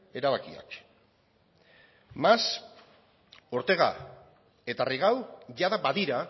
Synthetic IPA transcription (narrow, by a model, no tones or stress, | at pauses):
e̞ɾaβ̞akia̰k | mas | o̞ɾt̪e̞ɣa̰ | e̞t̪ariɣawʝaðabaðiɾa